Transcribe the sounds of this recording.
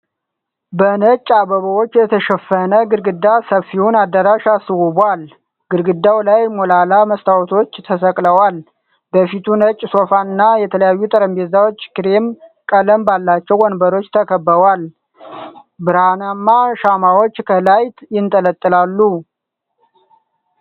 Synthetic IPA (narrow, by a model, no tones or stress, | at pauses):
bənət͡ʃʼːabəβəwot͡ʃːjɛt̪ʰəʃəfənəɡɨɾɡɨd̪ːasəfiwunad̪ːəɾaʃasɨwubʷal | ɡ̥ɨɾɡɨd̪ːawlajmolalaməst̪ʰawt̪ʰo̞t͡ʃːt̪ʰəsəkʼləwal | bəfit̪ʰunət͡ʃʼːso̞fanɨnːajɛt̪ʰələjajːut̪ʼəɾəmbezawo̞t͡ʃːkɾemkʼələmbalːat͡ʃːɛwɔnbəɾo̞t͡ʃːt̪ʰəkʰəbːəwal | bɨɾhanamːaʃamawot͡ʃːkʰəlajt̪jɪnt̪ʼələt̪ʼːɨlalːu